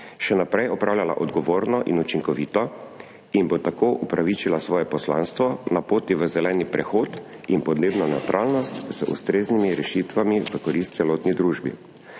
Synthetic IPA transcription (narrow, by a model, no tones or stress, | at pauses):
ʃɛnapɾɛjɔpɾaːwlʲjala̰ʔɔd̪ɡɔʋoːɾnɔʔḭnut͡ʃiŋkɔʋiːt̪ɔ | inbot̪akoːʔupɾaʋit͡ʃilasʋɔːjɛpɔsla̰ːnst̪ʋɔnapoːt̪iʋəzɛlɛːnipɾɛxoːt̪inpɔd̪neːbnɔnɛwt̪ɾʔaːlnɔst̪z̥əʔṵst̪ɾeːznimiɾɛʃit̪ʋamiʋəkɔɾist̪sɛloːt̪nid̪ɾuːʒbḭ